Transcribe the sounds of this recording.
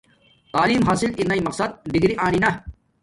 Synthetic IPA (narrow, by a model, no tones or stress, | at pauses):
t̪aːliːmɦaːsilinɐimɐqsɐd̪̚d̪iɡɾiʔaːninɐ